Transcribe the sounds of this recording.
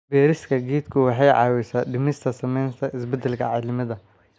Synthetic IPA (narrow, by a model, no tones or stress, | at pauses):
bɛːɾɪskʰɐɡiːd̪kʰʊwɑħɑjʕɑ̰ːwɪsaːɖɪmɪst̪ʰɐsɐmɛjnt̪ʰɐʔɪsbɐd̪ɛlkʰɐ̰ʕɑːlɪmɐðɐ